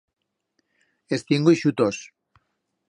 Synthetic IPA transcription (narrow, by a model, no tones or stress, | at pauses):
est̪iŋɡuiʃut̪os